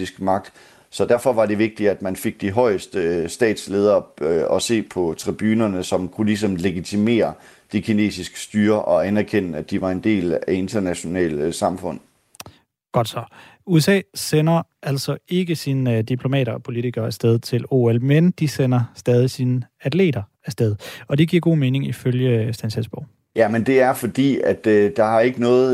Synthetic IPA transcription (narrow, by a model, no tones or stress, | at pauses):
isɡ̥mɑ̈ɡ̥̚d̥ | sɒ̽d̥æɐfɒ̽ʋɑ̈de̝ʋe̝ɡ̥̚d̥iæd̥mænfe̝ɡ̥̚d̥iɦɒ̽ɪəsd̥əsd̥ɛ̰ːd̥sle̝ːð̞ˠɐɒ̽se̝̰ːpʰɒ̽t͡sʰʁib̥yːnɐnəsɒ̽mkʰulis̬ɒ̽mle̝ɡ̥it͡sʰime̝̰ːɐ | d̥ikʰine̝̰ːsisɡ̥ə̥sd̥yːɐʔɒ̽ænæɐkʰen̰əæd̥iʋɑ̈e̝nd̥e̝̰ːlæe̝nt͡sʰɐnæɕo̝nɛ̰ːlsɑ̈mfɔ̽n̰ | ɡ̥ɒ̽d̥sɒ̽ | uesɛ̰ːsenɐʔæl̰sɒ̽e̝ɡ̥əsind̥ipʰlo̝mɛ̰ːɾɐɒpʰo̝lit͡sʰiɡ̥ɐæsd̥eð̞ˠt͡sʰe̝lo̝̰ːelmend̥isenɐsd̥ɛːð̞ˠisinəædle̝̰ːd̥ɐ | æsd̥eð̞ˠɒ̽d̥iɡ̥iɐɡ̥o̝̰ːme̝ːne̝ŋiføljəsd̥ænsesb̥ɒʊ̰ | jæmend̥e̝æɐfɒ̽d̥ḭːæd̥d̥ɑ̈hɑ̈e̝ɡ̥ənɔ̽ːð̩ˠ